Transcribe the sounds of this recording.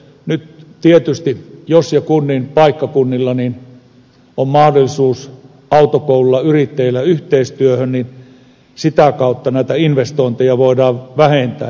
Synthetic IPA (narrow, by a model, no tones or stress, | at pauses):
nyt̪t̪iet̪yst̪ijosjɑkunːinpɑikːɑkunːilːɑnin | ommɑhdolːˑisuːs | ɑut̪okoululːɑyrit̪ːejilːæyht̪eˑist̪yøhønnin | sit̪ækɑˑut̪ːɑnæˑit̪æinʋest̪oˑint̪ejɑʋoˑidɑːʋʋæhent̪æ̰ː